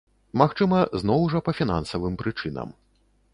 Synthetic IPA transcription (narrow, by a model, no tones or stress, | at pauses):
maxt͡ʂɨmɐzn̪ɔwʐɐpɐfʲina̰nsɐvɨmpɾɨt͡ʂɨnɐ̰m